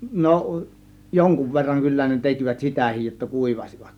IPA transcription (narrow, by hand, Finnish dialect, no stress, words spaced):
no joŋkuʋ ʋerːɑŋ kylːæ ne tekiʋæt sitæˑhij jotːɑ kuˑiʋɑsiʋɑt